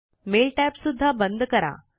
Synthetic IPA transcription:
melʈɛpsud̪ʱːabənd̪ʱkəɾa̰

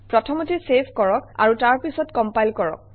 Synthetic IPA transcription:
pɹɔtʰɔmotisepʰkɔɹɔka̰ɹutaɹpisɔtkɔmpajlkɔɹɔ̰k̚

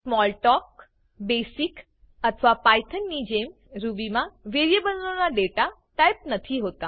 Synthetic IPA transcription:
smɔlʈɔk̚ | besik | ət̪ʰəʋapajt̪ʰənːid͡ʑem | ɾubimaʋeɾijebənlonaɖeʈa | ʈajp̚nət̪ʰiɦot̪a

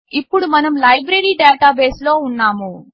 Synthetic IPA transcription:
ipːuɽumɐnɐmlɐjbɾeɾiːɖaːʈaːbe̞ːslo̞ːunːaːmu

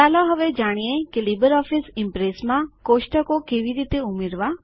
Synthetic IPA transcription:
aːloɦəʋed͡ʒaːɽ̃iẽkelibəɾɔːfisɪ̃mpɾeːsmãkoːʃʈəkokeːʋiɾiːt̪eʊmɪɾʋa

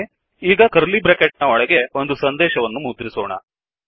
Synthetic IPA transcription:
iːɡɐkɐɾlibɾekeʈ̚nɐɔɭɐɡe̞o̞nd̪usɐnd̪ɛːʃɐʋɐnːumuːd̪ɾisoːɳɐ̰

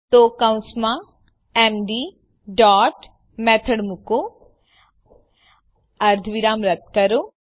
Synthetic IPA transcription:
t̪oːkaw̃smã | eːmɖi | ɖɔːʈ | mɛːt̪ʰəɽmuko | ɐɾd̪ʱʋiɾaːmɾɐp̚t̪̚kɐɾo

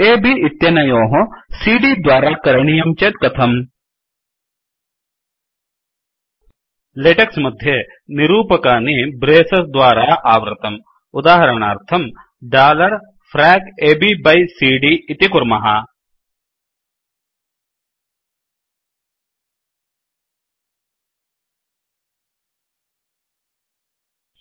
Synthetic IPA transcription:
eːbiɪt̪jɐnɐjoːɦõsiːɖiːd̪waːɾaːkɐɾɳijɐmt͡ʃet̪̚kɐt̪ʰɐm | leʈɐksmɐd̪ʱjɐ | nɪɾuːpɐkaːnibɾeːsɐsd̪waːɾaːʔaːʋɾɪ̰t̪ɐm | ʊd̪aːɦɐɾəɳ̃aːɾt̪ʰɐm | ɖaːlɐɾ | fʰɾɛːkeːbiːbɐjsiːɖiɪt̪ikʊɾmɐɦa

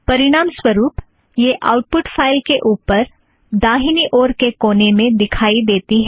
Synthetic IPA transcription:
pɐɾɪɽaːmswəɾuːp | jeʔa̰ːʊʈ̚pʊʈfʰaːɪlkeʔuːpəɾ | d̪aːɦɪniʔoːɾkekoːnemẽd̪ɪkʰaːid̪eːt̪iɦɛː

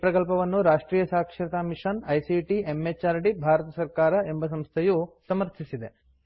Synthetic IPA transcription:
pɾɐkɐlpɐʋɐnːuɾaːʂʈɾiːjɐsaːkʂɐɾɐt̪amiʂɐnɐjsiʈiemːet͡ʃaːɾɖibʱaːɾɐt̪ɐsɐɾkaːɾɐembɐs̬ɐmst̪ʰejusɐmɐɾt̪ʰisid̪e̞

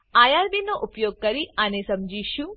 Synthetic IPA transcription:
aːjaɾbinoʔupjoːɡ̚kɐɾianesɐmd͡ʒiʃu

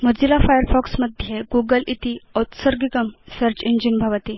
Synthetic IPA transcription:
məd͡ʑilafajəɾfɔksməd̪ʱjeɡuɡəlit̪iɔt̪səɾɡikəmsəɾt͡ɕind͡ʑinbʱaʋət̪i

